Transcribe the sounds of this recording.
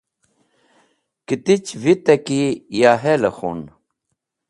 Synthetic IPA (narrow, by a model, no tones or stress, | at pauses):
kit̪it͡ɕvit̪ɐkijaɦelɐxo̰n